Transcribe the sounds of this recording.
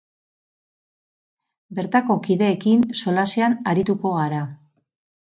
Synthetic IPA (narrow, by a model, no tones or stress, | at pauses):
be̞ɾt̪ako̞kiðe̞ːkinso̞laseanaɾit̪uko̞ɣaɾa